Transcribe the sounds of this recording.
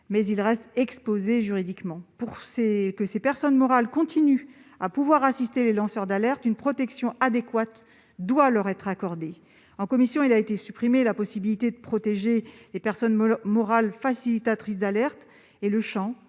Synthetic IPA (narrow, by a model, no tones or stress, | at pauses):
mɛzilʁɛst̪ɛkspozeʒyʁid̪ikmɑ̃puʁsekəsepɛʁsɔnmɔʁalkɔ̃t̪iny | apuvwaʁasist̪elelɑ̃sœʁd̪alɛʁt̪ynpχɔt̪ɛksjɔ̃ad̪ekwat̪ | d̪walœʁɛt̪χakɔʁd̪e | ɑ̃kɔmisjɔ̃ilaet̪esypχimelapɔsibilit̪ed̪əpχɔt̪eʒelepɛʁsɔnmɔʁalfasilit̪at̪χis̬d̪alɛʁt̪ | eləʃɑ̃